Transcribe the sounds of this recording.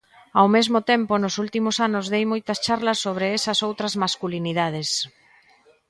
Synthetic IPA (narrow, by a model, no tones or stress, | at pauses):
awmezmot̪emponʊsult̪imʊsanʊzðejmojt̪ɐst͡ʃaɾlɐsːoβ̞ɾeɛsɐsowt̪ɾɐzmaskuliniðað̞es